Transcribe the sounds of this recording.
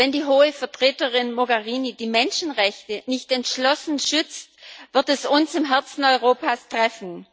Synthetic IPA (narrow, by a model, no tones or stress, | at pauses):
vɛndiːɦoːəfɛɐtʁ̥eːtəʁɪnmoɡɛʁiːnidiːmɛnʃn̩ʁɛçtənɪçtɛntʃlɔsn̩ʃʏt͡stv̥ɪɐtɛsʊnsɪmɦɛɐt͡sn̩ɔʏʁoːpastʁ̥ɛfn̩